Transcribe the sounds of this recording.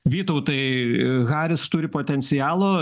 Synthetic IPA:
ʋʲiːt̪ɐʊt̪ɐɪɣɑːɾʲɪst̪ʊɾʲɪpoːt̪ʲɛnʲsʲɪjɑːlˠoː

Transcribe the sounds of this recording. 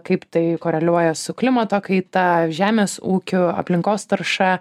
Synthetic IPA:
kɐɪpt̪ɐɪkoːɾʲɛlʲuɔjɛsʊklʲɪmɐt̪oːkɐɪt̪ɐʒʲæːmʲeːsuːkʲʊɐ̰pʲlʲɪŋkoːst̪ɐɾʃɐ

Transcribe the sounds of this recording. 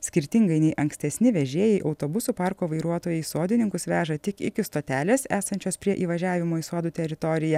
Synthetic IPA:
sʲkʲɪɾʲt̪ʲɪŋɡɐɪnʲɛɪʔɐŋksʲt̪ʲɛsʲnʲɪʋʲɛʒʲiɛjɛɪʔɐʊt̪oːbʊsuːpɑɾkoːʋɐɪɾuɔt̪oːjɛɪsoːd̪ʲɪnʲɪŋkʊsʋʲæːʒɐt̪ʲɪkɪ̰kʲɪst̪oːt̪ʲæːlʲeːsæːsɐnʲt͡ʃʲoːspʲɾʲiɛʔiːʋɐʒʲæːʋʲɪmoːisoɔd̪uːt̪ʲɛɾʲɪt̪ɔɾʲɪjɛ

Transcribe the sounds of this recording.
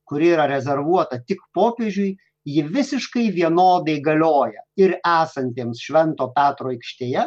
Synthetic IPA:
kʊɾʲiːɾɐɾʲɛzʲɛɾʋuɔt̪ɐt̪ʲɪkpoːpʲeʒʲʊɪ | jɪʋʲɪsʲɪʃkɐɪʋʲiɛnoːd̪ɐɪɡɐlʲoːjɛɪɾæːsɐnʲt̪ʲeːmsʃʲʋʲɛnt̪oːpʲæːt̪ɾoːɛɪkʃʲt̪ʲeːjɛ

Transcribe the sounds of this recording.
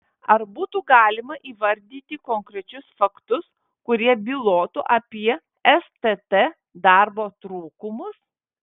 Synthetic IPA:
ɐɾbuːt̪uːɡɑːlʲɪmɐʔiːʋɐɾʲd̪ʲiːt̪ʲɪkoːŋkɾʲɛt͡ʃʲʊsfɐkt̪ʊs | kʊɾʲiɛbʲɪlˠoːt̪uʔɐpʲiɛ | ɛst̪et̪ɛ | d̪ɑɾboːt̪ɾuːkʊmʊs

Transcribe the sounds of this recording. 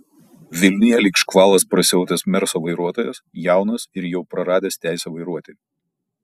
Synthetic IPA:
ʋʲɪlʲnʲɪjɛlʲiːkʃkʋɑːlˠɐspɾɐsʲɪɛʊt̪ʲɛsmʲɛɾsoːʋɐɪɾuɔt̪oːjɛsjæˑʊnɐsɪɾjɛʊpɾɐɾɑːd̪ʲeːst̪ʲæˑɪsʲɛʋɐɪɾuɔt̪ʲeɪ

